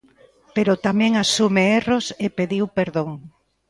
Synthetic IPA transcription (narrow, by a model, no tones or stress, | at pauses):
peɾot̪amɛ̃ŋasumeerosepeðiwpeɾðoŋ